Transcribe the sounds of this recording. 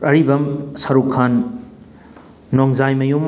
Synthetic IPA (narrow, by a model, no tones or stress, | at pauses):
ɾɐɾibɐmsɐɾukʰːan | oŋzajmɐjum